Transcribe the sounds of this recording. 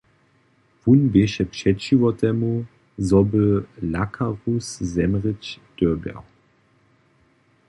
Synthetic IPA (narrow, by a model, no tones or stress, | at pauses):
vunbeʃɛpʃɛtʒ̥ivɔtɛmu | zɔbəlakʰaʁuszɛmʁət͡ʃd̥øɐbɛ̰w